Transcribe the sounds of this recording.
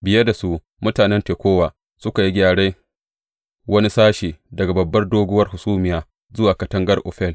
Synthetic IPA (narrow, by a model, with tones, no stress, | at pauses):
bɪ˨jɐ˦da˨su˦ʔ | mʊ˦taː˨nɛ˦nteː˨kʷoː˦waː˨ | sʊ˦ka˨ji˦ɡʲaː˨ɽeː˦ | wɐ˦ni˦saː˦ʃiː˨dɐ˨ɡa˨bɐ˨bːɐ˦rdoː˦ɡʷʊ˦wɐ˦rhʊ˨suː˦mɪ˨jaː˨ | zʊ˦waː˨kɐ˦tɐ˦ŋɡɐ˦rʔɔ̰ː˨ɸɛ˦˨l